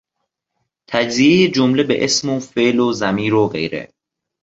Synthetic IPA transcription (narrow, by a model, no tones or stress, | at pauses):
t̪ʰæd͡ʒzijejed͡ʒomle̞bḛʔesmofe̞ʔlozæmiːɾoɣḛjɾḛ